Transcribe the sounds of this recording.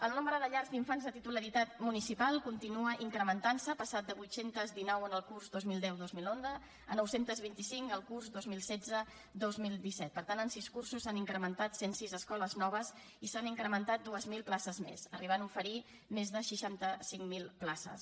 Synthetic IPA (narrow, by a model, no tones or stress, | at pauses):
əlˠnombəɾəðəʎaɾzd̪iɱfanzðət̪it̪uləɾit̪at̪munisipalˠkunt̪inuəʔiŋkɾəmənt̪ansəpəsat̪̚d̪əβujt̪sent̪əzd̪inɔwənəlˠkurzdozmilˠd̪ɛwðozmilonzə | ənɔwsent̪əzβint̪isiŋkəlˠkurzd̪ozmilˠsɛd͡zə | d̪ozmilˠd̪isɛt̪̚pəɾt̪anənsiskursusaniŋkɾəmənt̪at̪sensizəskɔləznɔβ̞əz | isaniŋkɾəmənt̪at̪̚d̪uəzmilˠplasəzmḛsəriβanufəɾi | mezðəʃiʃant̪əsiŋmilˠplasə̰s